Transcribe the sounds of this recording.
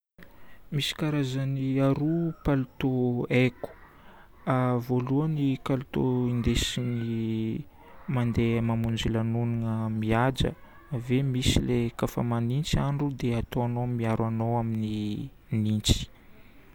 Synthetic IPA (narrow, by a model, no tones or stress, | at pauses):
misi̥kaɾazaniaɾupalut̪oeku̥ | avoluənikalut̪oind̪esini | mand̪emamund͡ʒilanuniŋəmiad͡ʒə̰ | vemisilekafa̰manint͡siaɳɖ͡ʐud̪eat̪oanomiaɾwanowamini | nint͡si̥